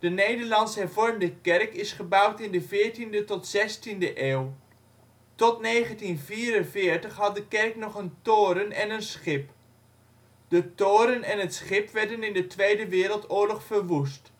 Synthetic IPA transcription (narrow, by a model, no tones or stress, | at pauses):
d̥ənejdəɹlɑnsəɦɛɹvɔɹmdəkɛrkɪsχəbʌwtɪndəvɪːɹtindətɔtsɛstindəʔeːw | tɔtnejχəntinviːrənvɪːɹtəχɦɑt̚dəkɛɹknɔχəntoːɾənɛnənsχɪp | d̥ətoːɾənɛnɦətsχɪpʋɛɹdənɪndətʋejdəʋɪːɾəlˠtʊːɹlɔχfəɹʋust